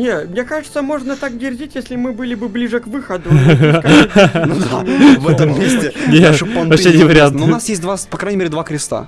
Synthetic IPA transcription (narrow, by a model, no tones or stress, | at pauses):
nʲemnʲekaʐɨt̪səmo̞ʐnət̪ak̚ɡʲɪrdʲitʲjesʲlʲɪmɨbɨlʲɪbɨblʲiʐɨkvɨxəd̪ʊ | nd̪avɛəmʲːesʲtʲɪnʲepɐnɐedʲinvəɾʲɪant̪onasjesʲt̚ʲd̪vapɐkɾajʲnʲɪmʲeɾʲɪd̪vakɾʲɪst̪a̰